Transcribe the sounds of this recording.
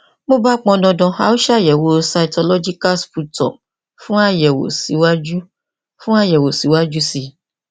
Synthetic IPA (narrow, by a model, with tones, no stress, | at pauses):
mõ˦ba˦k͡pɔ̃˧dɔ̃˧dɔ̃˧a̰˨wo˦ʃa˦˨jɛ˨wo˨˦sa˨i˨tɔ˧lɔ˦d͡ʒi˦ka˦lspu˦tɔ̰˨ | fũ˦a˦jɛ˨wo̰˨si˨˦wa˦d͡ʒu˦ | fũ˦a˦jɛ˨wo˨si˨wa˦d͡ʒu˦si˧